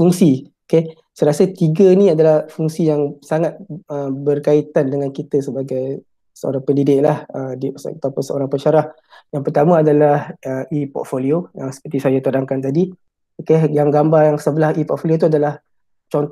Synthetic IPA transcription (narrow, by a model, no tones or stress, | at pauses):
fuŋsioke | səɾasət̪iɡənĩadalahfuŋsijaŋsaŋat̪̚əbərkait̪andəŋankit̪əsəbaɡaj | səo̰ɾaŋpəndidɪk̚lahədist̪apasəo̰ɾaŋpəʃaɾah | jaŋpərt̪amə̃adalahəipɔ̰t̪̚foliojaŋsə̥pərt̪isajat̪ədaŋkant̪adi | okejaŋɡambajaŋsəbəlahipɔt̪̚foliot̪̬uadalah | t͡ʃɔnt̪